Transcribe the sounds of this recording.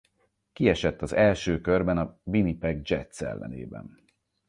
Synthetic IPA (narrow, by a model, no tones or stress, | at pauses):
kiɛʃɛt̪ːɒzɛlʃøːkørbɛnɒbinipɛɡd͡ʒɛt̪sɛ̰lːɛ̰nḛːbɛ̰n